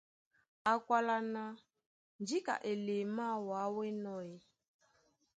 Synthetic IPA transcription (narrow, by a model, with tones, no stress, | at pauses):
a˨kwa˨la˨na˨ | n˦d͡ʒi˦ka̰˨ʔe˨le˨ma˦˨wa˨˦we˦nɔ˦je˦